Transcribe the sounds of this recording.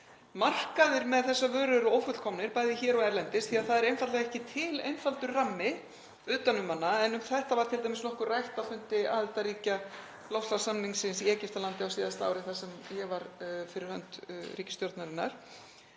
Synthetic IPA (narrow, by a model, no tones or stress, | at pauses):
mar̥kaðɪɾmɛðθɛsːavœːɾʏɾoːwfʏt̪kʰɔmnɪɾpajðɪçɛːɾɔɛɾlɛnt̪ɪsθiaðθaðɛɾejnfat̪lɛɣɛhcɪt̪ʰɪlḛjnfalt̪ʏɾramːɪ | ʏːt̪anʏmːanːaɛnʏmθɛht̪avaɾ̥t̪ʰɪlt̪ajmɪsnɔhkʏrrajht̪afʏnt̪ɪaðɛt̪aɾiːca | lɔwft̪lasamniŋsɪnsiɛːcɪft̪alant̪ɪawsiːðast̪aa̰ːwɾɪθasɛmjɛɣvaɾfɪɾɪɾhœ̰nt̪ɾiːcɪst̪jɔɾt̪naɾɪnːaɾ̥